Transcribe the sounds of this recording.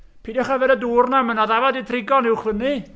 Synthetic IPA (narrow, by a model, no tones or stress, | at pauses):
pʰiːdɔχavɛɾəduːrnamənaðavaditʰrɪɡɔnɪwχvəni